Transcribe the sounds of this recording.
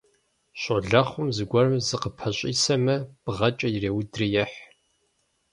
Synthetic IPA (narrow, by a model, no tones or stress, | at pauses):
ɕʷʼɔɮɐχʷʊmzɨɡʷɔrɐmzɨqəpʰɐɕʼiːsɐmɐb̥ʁɐt͡ʃʼɐjireːwdrijɛħ